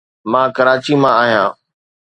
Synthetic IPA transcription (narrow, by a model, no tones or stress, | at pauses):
mãːkɐɾaːt͡ɕimãaːɦijãː